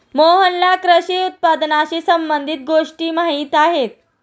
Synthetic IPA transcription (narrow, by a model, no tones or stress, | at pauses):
moɦənlakɾəɕiut̪̚pad̪naɕisəmbənd̪ʱit̪̚ɡoʂʈiːmaɦiːt̪aɦet̪̚